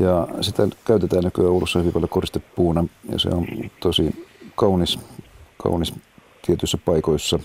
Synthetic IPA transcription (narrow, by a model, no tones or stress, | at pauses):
jɑsit̪ækæyt̪et̪æːnnykyæːoulːusːɑhyʋipɑljokorist̪epːuːnɑjɑ̰sḛont̪osikɑuniskʰɑ̰unis | t̪iet̪yisːæpɑikoisːɑ